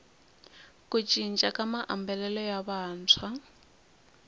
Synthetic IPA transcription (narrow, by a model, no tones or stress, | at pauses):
kʼut͡ʃʼint͡ʃʼakʼamaʔa̰mbɛlɛlɔjaβaːnt͡sʰwa